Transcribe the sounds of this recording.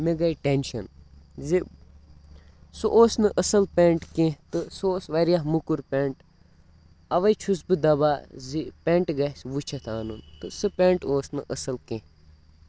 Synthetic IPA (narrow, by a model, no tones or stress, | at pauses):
meɡɐjʈenʃɐnzi | sɨʔoːsnɨʔɐsɐlpʲeɳʈkẽɦt̪ɨsoːsʋɐɾijaɦmukuɾpeːɳʈ | ɐʋɐjt͡ʃʰusbɨd̪ɐbaːzipeɳʈɡɐɦsʋut͡ʃʰɐt̪ʰaːnunt̪ɨsɨpẽːɳʈoːsnɨʔɐsɐlkẽːh